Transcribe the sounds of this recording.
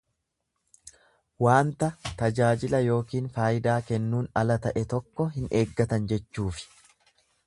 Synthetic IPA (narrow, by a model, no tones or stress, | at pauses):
waːnt̪ɐt̪ɐd͡ʒaːd͡ʒɪlɐjo̞ːkiːnfaːjɪd̪aːkɛnːuːnɐlɐt̪ɐʔɛt̪ɔkːɔɦɪnʔe̞ːɡːɐt̪ɐnd͡ʒɛt͡ʃːuːfɪ̥